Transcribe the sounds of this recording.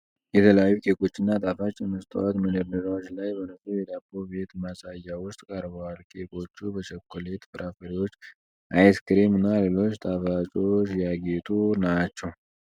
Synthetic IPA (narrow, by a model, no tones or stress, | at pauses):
jɛt̪ʰələjajːukʼe̞kʼo̞t͡ʃːɪnːat̪ʼafat͡ʃʼːɪmːɨst̪ʰʼə̰wat̪məd̪əɾd̪əɾawot͡ʃːlajbənəsʼujɛd̪abːobe̞t̪masʼajːawʊst̪ʼkʼəɾbəwalkʼekʼo̞t͡ʃːubəʃɛkːole̞t̪fɨɾʔafəɾiwot͡ʃː | ʔajskɾemɨnːale̞lo̞t͡ʃːt̪ʼafat͡ʃʼo̞t͡ʃːjaɡet̪ʼunat͡ʃːɛw